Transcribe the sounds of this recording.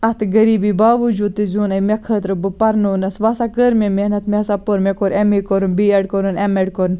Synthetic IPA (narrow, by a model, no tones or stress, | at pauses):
ɐt̪ʰɡɐɾiːbibaːʋɨd͡ʒuːd̪̚t̪izuːnɐjmekʰət̪ɾɨbɨpɐɾnoːnɐsʋasakəɾmʲemehnɐt̪mʲesapoɾmekoɾemikoɾɨnbieɖkoɾɨnemeɖkoɾn